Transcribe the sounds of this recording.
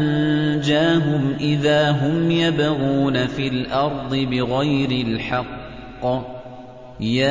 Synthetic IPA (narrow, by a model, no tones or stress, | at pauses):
nd͡ʒaːɦʊmʔɪðaːɦʊmjabaɣuːnafiːlʔɑɾˤd̪ˤɨbɪɣajɾɪlħɑqː | jaː